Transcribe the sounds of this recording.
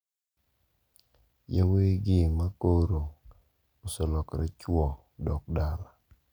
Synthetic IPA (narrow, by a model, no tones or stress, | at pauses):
jaweɡɪmakoɾo | osɔlɔkɾɛ̰t͡ʃwɔ | dɔk̚dala